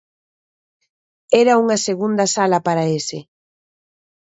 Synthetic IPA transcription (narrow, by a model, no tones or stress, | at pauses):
ɛɾauŋɐseɣund̪ɐsalɐpaɾaesɪ